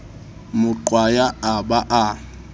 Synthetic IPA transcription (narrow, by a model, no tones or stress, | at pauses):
mʊǃwajaabaʔa